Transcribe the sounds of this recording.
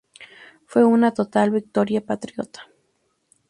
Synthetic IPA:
fweunat̪ot̪albik̚t̪oɾjapat̪ɾjot̪ḁ

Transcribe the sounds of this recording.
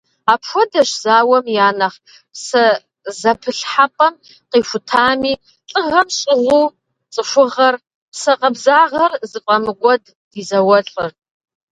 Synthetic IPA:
apʰʃʷʊdɐʃz̥aːwɐmjaːnaχ | psɐ | zɐpʰɨɬħapʼɐm | qifʷʊtʰaːmi | t͡ɬʼɨʁɐmɕʼɪʁʷu | t͡sʼɨʃʷʊʁɐr | pʰsɐqʼabzaːʁɐrzɨqʷʼɐmɨɡʷɐd | dizɐwɐɬʼɨr

